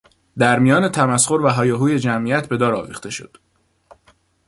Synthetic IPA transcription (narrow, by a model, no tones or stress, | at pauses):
d̪æɾmijɒːne̞t̪ʰæmæsxo̞ɾvæɦɒːjeɦuːje̞d͡ʒæmʔiæt̪ʰbe̞d̪ɒːɾɒːvḭːxt̪ʰe̞ʃo̞̰d̪̥